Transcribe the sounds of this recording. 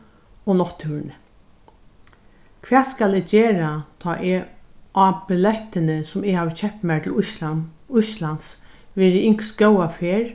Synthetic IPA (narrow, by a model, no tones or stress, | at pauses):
onɔht̪ʰːʉːɾn | kʰʋɛːt̪skalɪd͡ʒeːɾat̪ʰɑːʔeabɪlɛht̪ɪnəsʊmɪhaːʋçɛp̚t̪mæt̪ʰɪlʊʃ | ʊʃlansʋɛːɾɪɪŋ̥ksɡœwafeːɹ